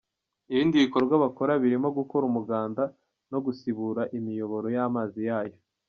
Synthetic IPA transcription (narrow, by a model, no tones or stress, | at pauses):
iβiːndiβiko̞ɾɾɡwaβako̞ɾaβiɾimo̞ɡuko̞ɾumuɡaːnda | noɡusiβuɾaʔimijo̞βo̞ɾo̞jaːmaːzijaːjo̞